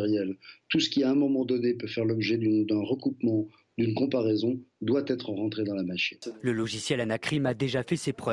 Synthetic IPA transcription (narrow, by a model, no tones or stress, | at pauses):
ʁjɛlt̪usə̥kʲiaɛ̃mɔ̃mɑ̃d̪ɔnepøfɛʁlɔbʒɛd̪ynd̪ɛ̃ʁəkupmɑ̃ | d̪ynkɔ̃paʁɛzɔ̃d̪wat̪ɛt̪χəʁɑ̃t̪χed̪ɑ̃lamaʃinləlɔʒisjɛlanakχimad̪eʒafɛsepχœv